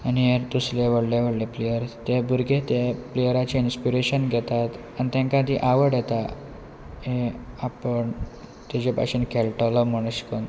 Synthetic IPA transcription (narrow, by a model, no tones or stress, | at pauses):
aniɦeɾt̪usleʋəɽleʋəɽleplejəɾt̪ebuɾɡʱet̪jeplejəɾat͡ɕeinspiɾeɕənɡʱɛt̪at̪ | anit̪ẽŋkãd̪iʔaʋəɽɛt̪a | ɦẽapəɳ | t̪ed͡ʑepa̰ɕinkʰɛlʈəlɔm̤əɽ̃əɕkən